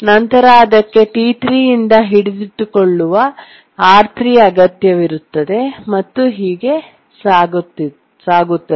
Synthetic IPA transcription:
nɐnt̪ɐɾaːd̪ɐkːe̞ʈiːʈɾijind̪ɐɦiɽid̪it̪ːukoɭːuʋɐ | aːɾt̪ʰɾijɐɡɐt̪jɐʋiɾut̪ːɐd̪e̞mɐt̪ːuɦiːɡe̞ | saːɡut̪ːi | saːɡut̪ːɐ

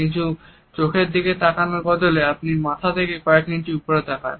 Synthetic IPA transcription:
int̪ʰu | t͡ɕokʰeɾd̪iket̪akanoɾbɔd̪oleapniɾmat̪ʰat̪ʰekekɔekninʈiupoɾet̪akʰa̰n

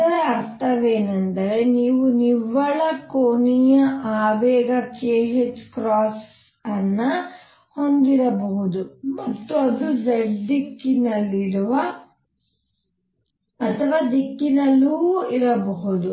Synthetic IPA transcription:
ɐɾeɐɾt̪ɐʋeːnɐnd̪ɐɾe̞niːʋuniʋɐɭɐkoːnijɐʔaːʋɛːɡɐkeːɦet͡ʃkɾaːs | ɐnːɐ | ho̞nd̪iɾɐbɐɦud̪umɐt̪ːuɐd̪ud͡ʒɐld̪ikːinɐlːiɾuʋɐ | t̪ʰɐʋaːd̪ikːinɐlːuːiɾɐbɐɦud̪u

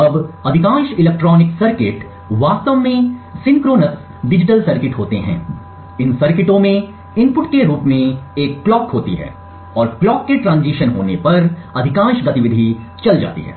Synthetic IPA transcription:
ɐbɐd̪ʱɪkãːʃɪleːk̚ʈɾɔːnɪksɐɾkɪʈ | ʋaːst̪əʋmẽsɪ̃ŋkɾoːnəks | ɖɪd͡ʒɪʈəlsɐɾkɪʈɦoːt̪eɦɛ̰̃ː | ɪnsɐɾkɪʈõmẽ | ɪnpʊʈkeɾuːpmẽeːkːlɔːkɦoːt̪ḭɦɛ̰ː | ɔːɾklɔːkːeʈɾãːnziːʃənɦo̰ːnepɐɾɐd̪ʱɪkãːnʃɡɐt̪ɪʋɪd̪ʱi | t͡ʃɐld͡ʒa̰ːt̪ḭɦɛ̰ː

